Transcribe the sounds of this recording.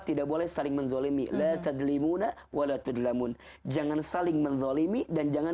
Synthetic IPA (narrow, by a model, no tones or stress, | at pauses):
t̪idaʔ̚bolɛhsalɪŋmənzɔlimḭlat̪ad̪limuna | walat̪ud̪lamun | d͡ʒaŋansalɪŋmənðˤɔlimidand͡ʒaŋa